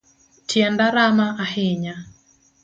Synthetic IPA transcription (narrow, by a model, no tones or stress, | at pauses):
tʰjɛndaɾamaʔahɪɲa